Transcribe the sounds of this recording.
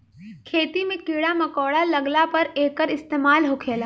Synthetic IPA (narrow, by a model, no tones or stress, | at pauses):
kʰeːt̪imẽkiːɽamɐkɔːɽalɐɡlapɐɾeːkəɾɪst̪eːmaːlɦoːkʰeːlaː